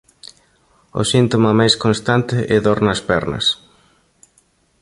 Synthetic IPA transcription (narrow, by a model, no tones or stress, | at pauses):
ʊ̰sint̪omɐmajskonst̪ant̪ɪʔɛðoɾnɐspɛɾnɐ̰s